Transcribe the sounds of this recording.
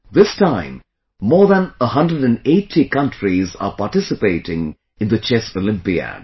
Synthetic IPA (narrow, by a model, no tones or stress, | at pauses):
ðɪstãɪ̃mː | ɔːɹðə̃nəɦʌ̃ndɾəɖæ̃neɪtʰikʌ̃ntɹiza̰ːpaʈɪsɪpeɪʈɪ̃ŋ | ɪ̃nd̪ət͡ʃɛsolɪ̃mpiə̰